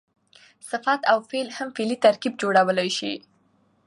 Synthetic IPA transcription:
sɪfat̪awfelhamfelit̪aɾkib̚d͡ʒoɽawəlajʃḭ

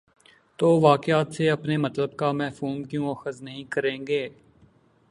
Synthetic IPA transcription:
t̪oːʋaːkɪaːt̪seɐpnemɐt̪ləb̚kamɛːfuːmkjõːɐxəznɐɦĩkɐɾẽːɡeː

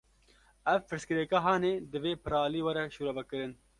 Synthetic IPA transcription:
ɛvpɨɾskɨɾɛkaːɦɑːneːd̪ɨveːpʰɨɾɑːliːwɐɾɛʃuːɾɐvɐkɨɾɨn

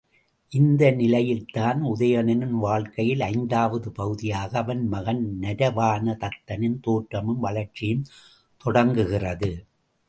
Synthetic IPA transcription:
ʔɪnd̪ɐnɪlɐjɪlt̪aːnʊðɐjɐnɐnɯnʋaːɭkɐjɪlɐɪnd̪aːʋɐðɯpɐɣɯðɪjaːɣɐːʋɐnmɐɣɐnnɐɾɐʋaːnɐt̪ɐt̪ːɐnɪnt̪oːʈɾɐmɯmʋɐlɐɾt͡ʃːɪjɯm | t̪ɔɽɐŋɡɯɣɪrɐðɯ

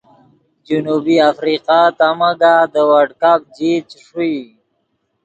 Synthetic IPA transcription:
d͡ʒunubiafɾiqat̪amaɡad̪əwaɖkap̚d͡ʒit͡ʃʂui

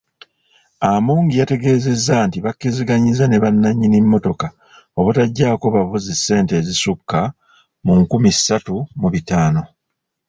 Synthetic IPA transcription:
amuːŋɡijate̞ɡe̞ːze̞zːantiβakːiziɡaɲizane̞βanːaɲːinimːo̞to̞ka | o̞βutaɟːaːko̞βavuzisːe̞ːnte̞zisukːa | muŋkumisːatumuβitaːno̞

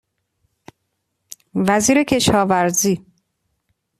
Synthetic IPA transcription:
væziːɾe̞cʰe̞ʃɒːvæɾziː

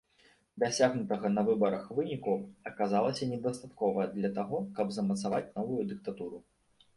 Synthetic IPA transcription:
d̪asʲaɣnut̪ɐɣɐnɐvɨbɐɾɐxvɨnʲikuɐkazalˠɐsʲɐnʲɛd̪ɐst̪at̪kɔvɐjɐd̪lʲɐt̪aɣɔkɐbzɐmɐt̪savat͡sʲnɔvujud̪ɨk̚t̪at̪uɾu

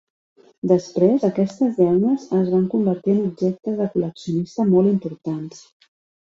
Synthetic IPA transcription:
d̪əspɾezəkɛst̪əzðɛwnəzəzβ̞aŋkumbəɾt̪iənub̚ʒɛk̚t̪əzðəkuləksiunist̪əmɔlˠimpuɾt̪ans

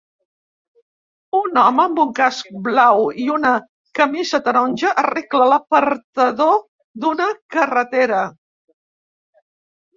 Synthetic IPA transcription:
unɔməːmbuŋkask̚blawiunə | kəmizət̪əɾonʲʒəʔəreklələpəɾt̪əðo | d̪unəkərət̪eɾə

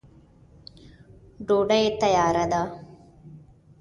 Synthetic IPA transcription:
ɖoːɖɐjet̪ːɐjaːɾɐd̪aː

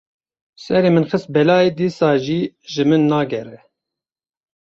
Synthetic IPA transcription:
sɛɾeːmɨnxɨst̪̚bɛlɑːeːd̪iːsɑːʒiːʒɨmɨnːɑːɡɛɾɛ

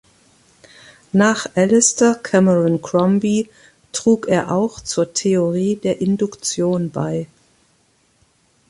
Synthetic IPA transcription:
naːχʔɛlɪstɐkʰɛməɹʊnkʁ̥ɔmbi | tʁ̥uːkeːɐʔaʊxt͡suːɐtʰeoʁiːdeːɐʔɪndʊkt͡sjoːnba̰ɪ

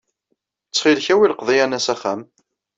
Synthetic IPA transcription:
t͡sːχilçæwiləqðˤijænæsæχæm

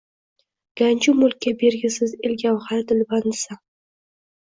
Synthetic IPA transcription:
ɡ̥anʲt͡ʃʊmʊlˠkʲːabeɾɡʲɪsɪzɪlʲɡʲawχaɾd̪ɪlbansa

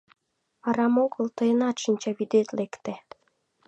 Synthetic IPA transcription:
ɑɾɑmoɣəlt̪ɤjənɑt̪ʃinʲt͡ɕɑβid̪et̪lekt̪e

